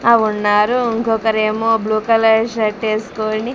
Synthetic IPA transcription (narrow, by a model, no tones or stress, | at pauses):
aːʋunːaːɾuiŋkɔkɐɾeːmoːbluːkɐlɐʃɐʈːeːsu̥koːni